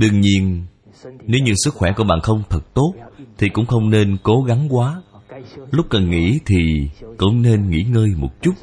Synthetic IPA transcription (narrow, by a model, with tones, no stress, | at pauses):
ɗɨ˨˧˩əŋɲi˧ən | ne˨˦wɲɨ˧sɨ˦˥k̚xwɛ˧˩ku˧˩əɓa̰ː˧˨nxə˧wŋ͡mt̪ʰə˨˩t̚t̪o˦˥t̚t̪ʰi˨˩kʊ̰˧˥ŋ͡mxə˧wŋ͡mne˧nko˨˦ɣa˨˦ŋkwaː˨˦ | lʊ˦˥k͡p̚kə˨˩nŋḭ˧˥t̪ʰi˨˩kʊ̰˧˥wŋ͡mne˧nŋḭ˧˥ŋəː˧jmo˨˩t̚t͡ɕu˦˥t̚